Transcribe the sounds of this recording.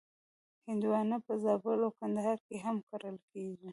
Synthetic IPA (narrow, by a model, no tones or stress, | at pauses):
hɪnd̪wɑnapəzɑbəlokand̪aɦɑɾkeɦamkaɾəlkeʒi